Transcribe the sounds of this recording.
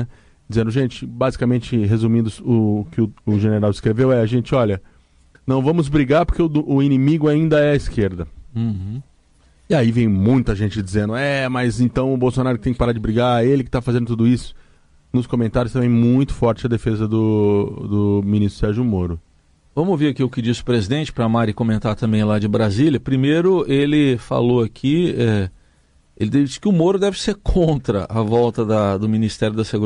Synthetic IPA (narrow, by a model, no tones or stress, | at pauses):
ɛ | d͡ʒɪzẽnd̪ʊʒẽnt͡ʃɪbazikamẽnt͡ʃɪɦezumĩnd̪ʊsʊːkɪʊʊʒeneɾawɪskɾevewɛɐʒẽnt͡ʃɪɔʎɐ | nɐ̃w̃vɐ̃mʊzbɾiɡaɾpoɾkeʊʊinĩmiɡʊaĩnd̪ɐɛɐiskeɾd̪ɐ̃ | ɪaivẽj̃mũj̃t̪ɐʒẽnt͡ʃɪd͡ʒizẽnd̪ʊɛmɐzẽnt̪ɐ̃w̃ʊbowsonaɾʊkɪt̪ẽkɪpaɾaɾd͡ʒɪbɾiɡaɾelɪkɪt̪afazẽnd̪ʊt̪ud̪ʊisʊ̥ | nʊskomẽnt̪aɾjʊst̪ɐ̃mẽj̃mũj̃t̪ʊ̥fɔɾt͡ʃɪzɐd̪efezɐd̪ʊd̪ʊminist̪ɾʊ̥sɛɾʒʊmoɾʊ | vɐ̃mʊoviɾakiʊkɪd͡ʒisɪʊpɾezid̪ẽt͡ʃɪ̥pɾɐamaɾɪkõmẽnt̪aɾt̪ɐ̃mbẽj̃lad͡ʒɪbɾazilʲjɐpɾimejɾʊelɪfa̰loakʰiɛ | elɪd̪ɛd͡ʒisɪ̥kɪʊmoɾʊd̪ɛvɪseɾkʰõnt̪ɾɐʔavɔwt̪ɐd̪ɐd̪ʊminist̪ɛɾjʊd̪ɐseɡuɾ